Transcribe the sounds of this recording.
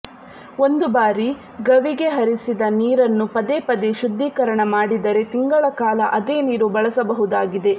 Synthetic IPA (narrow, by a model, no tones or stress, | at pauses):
o̞nd̪ubaːɾi | ɡɐʋiɡe̞ɦɐɾisid̪ɐniːɾɐnːupɐd̪epɐd̪eʃud̪ːiːkɐɾɐɳɐmaːɽid̪ɐɾe̞t̪iŋɡɐɭɐkaːlɐʔɐd̪e̞ːniːɾubɐɭɐsɐbɐɦud̪aːɡid̪e̞